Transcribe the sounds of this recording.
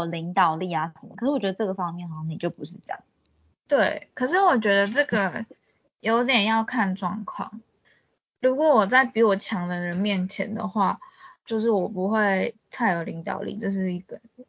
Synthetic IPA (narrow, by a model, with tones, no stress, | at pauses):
li˧˥ŋt̪ɑ˨˩ʊli˥˩a˧˥ə˨˩˦mə̰˧kʰə˨˩ʂɻ̩˥wɥɛ˧d̪ə˧ʈ͡ʂɤ˥˩ɡə˩fɑ˥ŋmjɛ˥˩nxɑ˨˩jɑ˥˩ni˨˩t͡ɕjo˥˩ʊpu˧˥ʂ̬ɻ̩˥˩ʈ͡ʂjɑ̰˨˩˦ŋ | t̪we˥˩ɪkʰɤ˨˩ʂ̬ɻ̩˥˩wɔ˨˩t͡ɕɥɛ˧˥d̪ə˧ʈ͡ʂɤ˥˩ɡə˩ | jo˧˥ʊt̪̬jɛ˨˩njɑ˥˧ʊkʰa˥˧nʈ͡ʂwɑ̰˥˧ŋkʰwɑ̰˥˩ŋ | ɻu˧˥kwɔ˨˧˥wɔ˨˩t͡sa˥˩ɪpi˧˥wɔ˨˩t͡ɕʰjɑ˧˥ŋd̪ə˧ɻə˧˦˥nmjɛ˥˩nt͡ɕʰjɛ̰˧˥nd̪ə̰˧xwa˥˧t͡ɕjo˥˧ʊʂ̬ɻ̩˥˩wɔ˨˩pu˧˥xwe˥˧ɪt̪ʰa˥˧ɪjo˨˩ʊli˧˥ŋt̪ɑ̰˨˩ʊlḭ˥˩t͡ɕo˥˧ʊʂ̬ɻ̩˥˩i˧˥ɡə˨˩